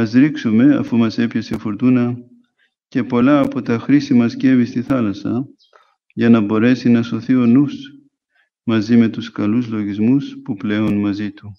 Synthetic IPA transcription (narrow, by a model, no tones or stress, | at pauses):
ɐzɾiksume̞ɐ̰fumɐse̞pçɐse̞foɾt̪unɐ | ce̞po̞lɐːpot̪ɐxɾisimɐsce̞vist̪iθɐlɐsɐ̰ | ʝɐnɐbo̞ɾe̞sinɐso̞θio̞nus | mɐzime̞t̪uskɐluzlo̞ʝizmuspuple̞onmɐzit̪u